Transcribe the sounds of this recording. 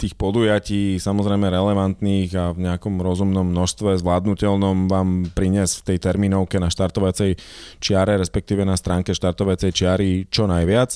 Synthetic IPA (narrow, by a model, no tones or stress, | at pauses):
t̪iːxpɔd̪ujaciːsamɔzɾɛjmɛɾɛlɛʋant̪niːɣavɲɛakɔmɾɔzumnɔmːnɔʃst̪ʋɛzʋlaːd̪nucɛʎnɔmʋaːmpɾiɲɛsft̪ɛjt̪ɛɾmiːnɔʊkɛnaʃt̪aɾt̪ɔʋat͡sɛjt͡ʃɪaɾɛɾɛspɛk̚t̪iːʋɛnast̪ɾaːŋkɛʃt̪aɾt̪ɔʋat͡sɛjt͡ʃɪaɾit͡ʃɔnajʋɪat͡s